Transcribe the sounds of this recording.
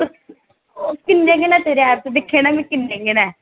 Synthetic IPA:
okɪnːeːɡeːnaːt̪eːɾeaːɾt̪d̪ɪkʰːeːnabĩkɪneːɡeːna

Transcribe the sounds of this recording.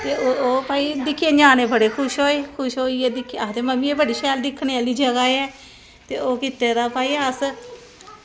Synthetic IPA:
t̪eːooːpaːiːd̪ɪkʰːeːd͡ʒãːneːbəɽeːkʰʊʃɦoːeːkʰʊʃɦoːiːɛːd̪ɪkʰːat̪eːməmĩːeːbəɽiːʃɛːld̪ɪkʰːneːaːliːd͡ʒəɡaːeɛː | t̪eːoːkɪt̪eːɾaːpaːiːəs

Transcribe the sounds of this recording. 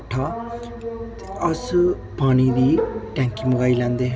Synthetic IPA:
ʈʰːa | ɐs | paːnid̪iʈɛ̃ŋkimuɡaːilãnd̪e

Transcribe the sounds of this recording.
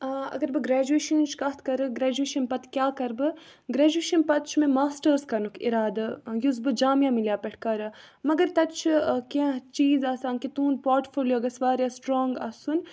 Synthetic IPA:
ɐ̰ɡɐɾbɨɡɾɛːd͡ʒueːʃɐnt͡ʃʰkɐt̪ʰkɐɾɨɡɾɛːd͡ʒueːʃɐnpɐt̪ʰkjaːkɐɾbɨɡɾɛːd͡ʒueːʃɐnpɐt̪̚t͡ʃʰmẽmaːsʈɐɾskɐnukʰḭɾaːd̪ɐjuzbɨd͡ʒaːmjãːmiljaːpʲɛʈʰkɐɾɨ | mɐɡɐɾt̪ɐt̪t͡ʃʰkãt͡ʃiːzaːsaːnkit̪uːnpoːɾʈfoːljoːɡɐsʋaːɾjasʈɾoːŋɡa̰ːsun

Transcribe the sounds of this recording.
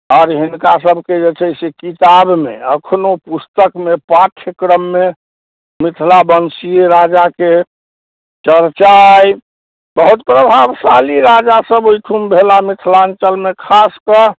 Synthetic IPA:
ɔːɾɦinkasəbʱked͡ʒet͡ʃʰɛsekit̪abmḛəkʰnopust̪əkmepaʈʰjəkɾəmːe | mit̪ʰlabənsieɾad͡ʒake | t͡ʃəɾt͡ʃaj | bəɦut̪̚pɾəbʱabsaliɾad͡ʒasəboiʈʰumbʱelamit̪ʰlant͡ʃəlmekʰaskə

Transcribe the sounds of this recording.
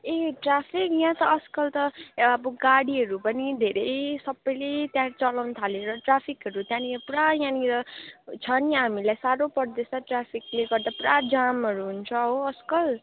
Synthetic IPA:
eʈrapʰikjãt̪ʌːskʌlt̪ʌbʌɡaɽiɦʌɾupʌnid̪ʱeɾʌjsʌbːʌjlet̪jãt͡sʌlawnʌt̪ʰaleɾʌʈrapʰikɦʌɾut̪jãniʌpuɽajãniɾʌt͡sʰʌniɦamilajsaɾopʌrd̪esaʈrapʰikleɡʌrd̪apuɽad͡zamɦʌɾuɦunt͡sʰʌɦoʌskʌl

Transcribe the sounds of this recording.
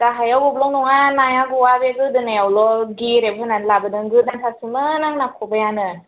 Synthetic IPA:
daɦajawbɔblɔŋnɔŋanajaɡuwabeɡɯdɯnajawlɔɡiɾebhɯnanlabɯdɯŋɡɯt̚naŋsʰasɯmɯnaŋnakʰɔbajanɯn

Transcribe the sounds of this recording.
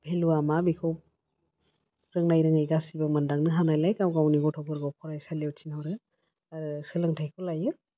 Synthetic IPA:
pʰeluamabikʰɔ | ɾɯŋnajɾɯŋajɡasibɔmɯndaŋnɯɦanajlajkawɡawniɡɔtʰɔbɯɾɡɔwpʰɔɾajsaljewtʰinhɔɾɯ | aɾɯsɯlɯŋtʰajkʰɔlajɯ

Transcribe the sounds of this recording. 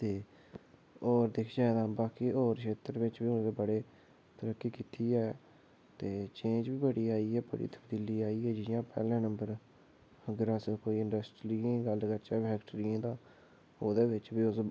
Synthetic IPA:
t̪eː | oːɾd̪ɪkʰd͡ʒaːed̪ãːbaːkiːoːɾʃʰeːt̪əɾʋɪt͡ʃbiːʊnd̪eːbəɽeː | t̪əɾəkːiːkiːt̪ʰiːɛː | t̪eːt͡ʃẽːnd͡ʒbiːbəɽiːaːiːɦɛːbə̰ɽḭːt̪ə̥bd̪iliːaːiːɛːd͡ʒɪjãːpɛ̰ːlãːnəmbəɾ | əɡəɾaːsẽːkoːiːɪ̃ɳɖəsʈɾiːẽːɡəlkəɾt͡ʃɛːpʰɛːkʈɾiãːd̪ãː | oːd̪eːbɪt͡ʃbiːʊs

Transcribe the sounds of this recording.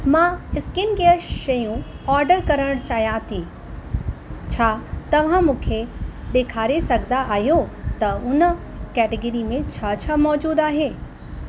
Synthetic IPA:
mãːɪskɪnɡeəʃɐjũ | ɔːɾɖəɾkɐɾəɽ̃t͡ʃaːjãt̪ʰiː | t͡ɕʰaːt̪ɐʋ̤ãmũkʰed̪eːkʰaːɾesɐɡd̪aʔaːɦjot̪ɐʊn | kɛːʈeɡəɾimẽt͡ɕʰɐt͡ʃʰamɔːd͡ʒuːd̪aːɦeː

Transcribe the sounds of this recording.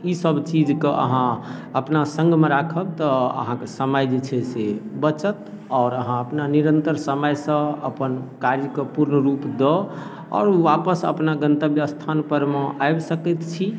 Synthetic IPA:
isəbt͡ʃid͡ʒkeʔə̰ɦãəpnasə̃ŋɡʱmeɾakʰəb̚t̪ɔə̰ɦãkesəməjd͡ʒet͡ʃʰɛsebət͡ʃət̪ | ɔːɾəɦãəpnaniɾənt̪əɾsəməjsə̃əpənkaɾjəkepuɾnəɾupd̪ɔ | ɔ̰ːɾuʋapəsə̰pnaɡənt̪əbjəst̪ʰanpəɾmeʔajbsəkɛt̪t͡ʃʰi

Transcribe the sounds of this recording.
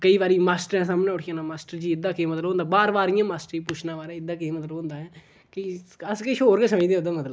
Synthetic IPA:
kəiːʋaːɾiːmaːsʈəɾɛ̃ːsaːmnãːʊʈʰɪjãːnaːmaːsʈəɾd͡ʒiːɪd̪ːãːkeːmət̪lbɦõːnd̪aːbaːɾʋaːɾɪjãːmaːsʈəɾiːput͡ʃʰnãːʋaːɾɛ̃ːɪd̪ːãːkeĩːmət̪ləbɦʊ̃ːnd̪aːɦɛː | kiəskeʃoːɾkːsəməd͡ʒd̪eːõːd̪aːmət̪ləb

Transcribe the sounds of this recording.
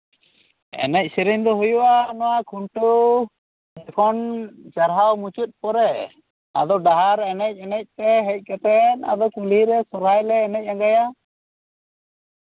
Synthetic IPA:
ɛ̰nɛc̚siɾɛɲd̪ɔɦujuʔanɔwakʰuɳʈu | d͡ʒɛkʰɔnt͡ʃaɾɦawmut͡ʃut̪̚pɔɾɛ | a̰d̪ɔɖaɦaɾɛnɛc̚ˀɛnɛc̚t̪ɛɦɛc̚ˀkɛt̪ɛna̰d̪ɔkuliɾɛsɔɾajlɛːnɛc̚ˀãŋɡaja

